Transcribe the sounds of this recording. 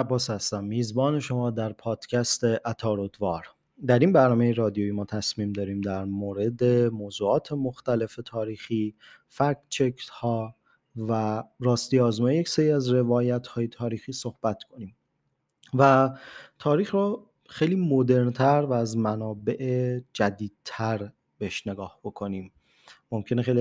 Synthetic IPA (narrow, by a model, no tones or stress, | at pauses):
æbːɒːshæst̪æmːiːzbɒːne̞ʃo̞mɒːd̪æɾpʰɒːd̪̥cʰæst̪e̞ʔæt̪ʰɒːɾod̪vɒːɾ | d̪æɾinbæɾnɒːmejeɾɒːd̪ijoimɒːt̪ʰæsmiːmd̪ɒːɾiːmd̪æɾmoːɾe̞d̪emoːzuːɒːt̪ʰe̞mo̞xt̪æle̞fe̞t̪ʰɒːɾiːxiː | fæɾkt͡ʃʰekʰt̪hɒː | væɾɒːst̪iːɒːzmɒːjejecseɾiːæzɾe̞vɒːjæt̪hɒːjet̪ʰɒːɾiːxiːso̞hb̥æt̪ʰkʰo̞niːm | væt̪ʰɒːɾiːxɾɔ | xejliːmod̪e̞ɾnt̪ʰæɾvæːzmænɒːbe̞ʔed͡ʒæd̪iːd̪̥̚t̪ʰæɾ | b̥eheʃne̞ɡɒːhb̥o̞kʰo̞niːm | mo̞mcʰe̞nexe̞jli